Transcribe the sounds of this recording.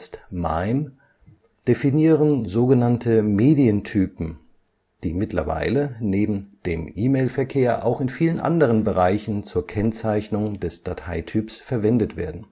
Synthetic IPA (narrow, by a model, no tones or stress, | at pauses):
stma̰ɪm | d̥efiniːʁənzoːɡənantʰəmeːdiəntʰyːpm̩ | d̥iːmɪtlɐ̰va̰ɪləneːbm̩d̥eːmʔiːmeɪlfɛɐkʰeːɐʔa̰ʊxɪnfiːlənʔa̰ndəʁ̞ənbəʁ̞aɪçn̩t͡suːɐkʰɛnt͡saɪçnʊŋdɛsd̥atʰaɪtʰyːpsfɛɐvɛndətv̥ḛːɐdn̩